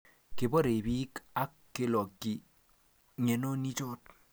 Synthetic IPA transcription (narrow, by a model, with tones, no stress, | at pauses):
ke˨bɔ˦ɾe˨bi˦ka˦kːe˨lɔ˨kːi˨ | ɲe˨no˦ni˦t͡ʃo˦t̚